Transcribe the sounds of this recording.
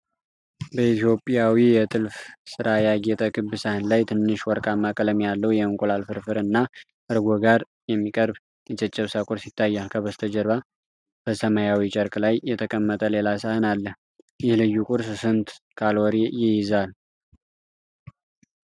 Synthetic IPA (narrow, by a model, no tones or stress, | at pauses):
bəit̪ʰijo̞pʼjawijɛt̪ʼɨlfsɨɾajaɡet̪ʼəkɨbːɨsahɨnlajt̪ʰɨnːɨʃwɔɾkʼamːakʼələmjalːəwjɛɨŋkʼolalfɨɾfɨɾɨnːa | ʔɨɾɡoɡaɾ | jɛmːikʼəɾb | jɛt͡ʃʼɛt͡ʃʼːɛβsakʼʊɾsit̪ʰːajːalkʰəβəst̪ʰəd͡ʒəɾβa | b̥əsəmajawit͡ʃʼəɾklajːɛt̪ʰəkʼəmːət̪ʼəlelasahɨnalːəh | jɪhlɨjːukʼʊɾssɨnt̪ | kʰalɔɾijɪjɪzal